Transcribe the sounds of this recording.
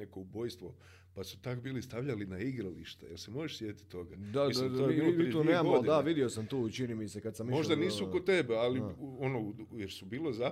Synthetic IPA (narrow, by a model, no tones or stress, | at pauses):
eko̞ubo̞jst̪ʋo̞ | pasu̥t̪akbiːlist̪aʋʎalinaiɡɾalḭʃt̪ḛjelse̞mo̞ɾeʃsjet̪i̥t̪o̞ɡad̪aoilounnːamɡoddid̪aʋid̪iosamt̪uːit͡ʃinimisekad̪samimo̞ʒd̪aniːsukot̪e̞bealio̞nojeɾsubiːlo̞za